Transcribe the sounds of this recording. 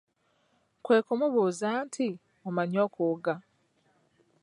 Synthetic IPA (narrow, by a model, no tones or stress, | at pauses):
kwe̞ːkumuβuːzaːntʰi | omaɲo̞ːkuɡa